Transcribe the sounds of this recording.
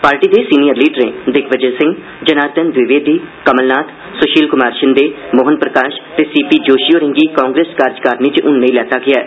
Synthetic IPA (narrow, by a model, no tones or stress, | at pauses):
paːɾʈiːd̪esiːnijəɾliːɖəɾẽːd̪ɪkʰʋəd͡ʒəlsɪ̃ŋɡ | d͡ʒənaːɾt̪ənd̪ʋɪʋeːd̪iːkəməlnaːt̪ | sʊʃiːlkʊmaːɾʃənd̪eːmoɦənpɾəkaːʃt̪eːsiːpiːd͡ʒoːʃijoːɾɪ̃ŋɡiːkãːŋɡɾeːskaːɾd͡ʒkaːɾnit͡ʃʔʊnːẽĩlɛːt̪aːɡɪjaːɛ̰ː